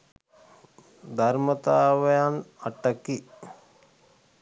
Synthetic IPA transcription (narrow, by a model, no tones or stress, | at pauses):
d̪aɾmət̪aːʋəjanaʈəki